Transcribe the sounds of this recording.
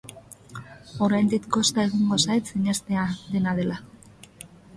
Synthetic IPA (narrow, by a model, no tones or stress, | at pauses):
o̞ɾajnd̪ikko̞st̪ae̞ɣoŋɡo̞saet̪siɲest̪eaðe̞naðe̞la